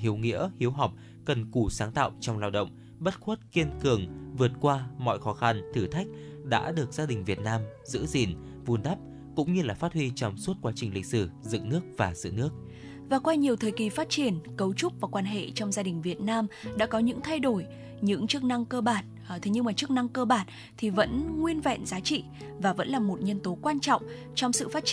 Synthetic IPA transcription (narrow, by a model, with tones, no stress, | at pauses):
hi˨˦əwŋḭ˧˥əhi˨˦əwɦa˨˩wk͡p̚ | kə˨˩nku˧˩saː˨˦ŋt̪a̰ː˧˨wt͡ɕɔ˧wŋ͡mlaː˧wɗə̰˧˨wŋ͡m | ɓə˦˥t̚xwə˦˥t̚ki˧ənkɨ˨˩əŋvɨ˨˩ət̚kwaː˧mɔ̰˧˨jxɔ˨˦xa˧nt̪ʰɨ˧˩t̪ʰa˦˥jk̟̚ɗa̰ː˧˥ɗɨ˨˩ək̚z̥aː˧ɗï˨˩ŋ̟vi˨˩ət̚naː˧m | zɨ̰˧˥zi˨˩n | vu˧nɗ̪a˦˥p̚ | kʊ̰˧˥ŋ͡mɲɨ˧laː˨˩faː˦˥t̚hwi˧t͡ɕɔ˨˩wŋ͡mswt̚kwaː˨˦t͡ɕï˨˩ŋ̟lḭ˧˨k̟̚sɨ˧˩zɨ̰˧˨ŋnɨ˦˥ək̚vaː˨˩zɨ̰˧˨nɨ˦˥ək̚ | vaː˨˩kwaː˧ɲi˨˩əwt̪ʰəː˨˩jki˨˩faː˦˥t̚t͡ɕi˧˩ənkə˨˦wt͡ɕʊ˦˥k͡p̚vaː˨˩kwaː˧nɦḛ˧˨t͡ɕɔ˧wŋ͡mzaː˧ɗï˨˩ŋ̟vi˨˩ət̚naː˧mɗa̰ː˧˥kɔ˨˦ɲɨ̰˧˥ŋt̪ʰa˧jɗo˧˩j | ɲɨ̰˧˥ŋt͡ɕɨ˦˥k̚na˧ŋkəː˧ɓaː˧˩n˨t̪ʰe˨˦ɲɨ˧ŋmaː˨˩t͡ɕɨ˦˥ək̚na˧ŋkəː˧ɓaː˧˩n | t̪ʰi˨˩və̰˧˥nŋwi˧ənvɛ̰˧˨nzaː˨˦t͡ɕḭ˧˨ | vaː˨˩və̰˧˥nlaː˨˩mo˨˩t̚ɲə˧nt̪o˨˦kwaː˧nt͡ɕɔ̰˧˨wŋ͡m | t͡ɕɔ˧wŋ͡msɨ̰˧˨faː˦˥t̚t͡ɕ